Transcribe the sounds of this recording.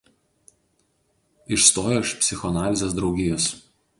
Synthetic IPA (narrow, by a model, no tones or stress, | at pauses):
ɪʃst̪oːjoːɪʃpʲsʲɪxɔɐnɑːlʲɪzʲes̬d̪ɾɒʊɡʲɪjɔs